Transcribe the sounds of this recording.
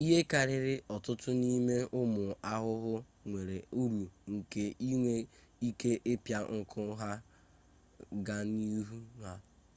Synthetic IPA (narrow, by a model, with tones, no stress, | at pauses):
i˦ɦe˦ka˨ɾɪ˦ɾɪ˦ɔ˨tʊ˦tʊ˦ni˦me˦ʊ˦mʊ˨a˦ɦʊ˦ɦʊ˦ | ŋʷe˨ɾe˨u˦ɾu˨ŋ̩˨ke˨i˦ŋʷe˦ | i˦ke˦ʔe˦pja˦ŋ̩˨kʰʊ˦ɦa˦ | ɡa˦ni˦ɦu˦na˨